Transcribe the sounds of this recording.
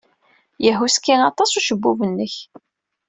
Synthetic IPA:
jəɦuskːænɑt̪ˤɑsˤuʃəbːuvənːəç

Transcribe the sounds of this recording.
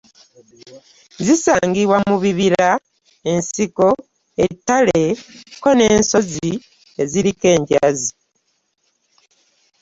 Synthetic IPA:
zisaːŋɡiβwamuβiβiɾa | e̞nsiko̞ | etːale̞ko̞ne̞ːnso̞zi | eziɾike̞ːɲɟazi

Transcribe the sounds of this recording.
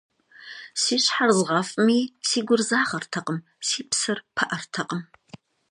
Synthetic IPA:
siːɕħarzʁɐfʼɨmiːsiːɡʷʊrzaːʁɐrtʰɐqʼəm | siːpsɨrpʰɐʔɐrtʰɐqʼəm

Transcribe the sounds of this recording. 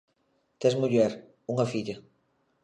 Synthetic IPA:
t̪ezmuʎɛɾ | uŋɐfiʎɐ

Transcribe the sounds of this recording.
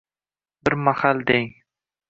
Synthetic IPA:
bɪɾmahald̪eŋ

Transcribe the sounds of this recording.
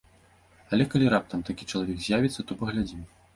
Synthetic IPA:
ɐlʲɛkalʲiɾap̚t̪ɐmt̪akʲit͡ʂɐlˠavʲɛɡzʲjavʲit̪sːɐt̪ɔpɐɣlʲad͡zʲim

